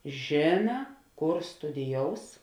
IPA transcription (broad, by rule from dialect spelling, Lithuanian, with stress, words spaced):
ˈʒʲeːnɐ ˈkoːr stʊdʲɪˈjoːʊs